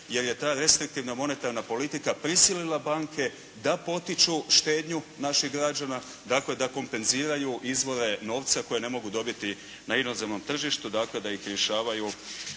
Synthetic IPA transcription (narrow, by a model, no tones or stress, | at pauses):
je̞ɾje̞t̪aːɾe̞st̪ɾik̚t̪iʋnamo̞ne̞t̪aɾnapo̞lit̪ikapɾisililˠabaːŋkʰe̞ | d̪apo̞t̪it͡ʃuʃt̪e̞ːd̪ɲunaʃixɡɾad͡ʒana | d̪akle̞d̪ako̞mpe̞nziːɾajuʔizʋo̞ɾe̞no̞ːʋt̪sako̞je̞ne̞mo̞ɡud̪o̞bit̪i | naino̞zemno̞mt̪r̩ʒiʃt̪ud̪akle̞d̪aixɾje̞ʃaːʋaju